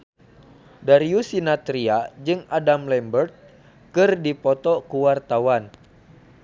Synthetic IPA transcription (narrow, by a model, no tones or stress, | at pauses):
daɾiusinat̪ɾiad͡ʒɨŋadamlɛmbərt̪̚ | kɨrdipɔt̪ɔkuwart̪awan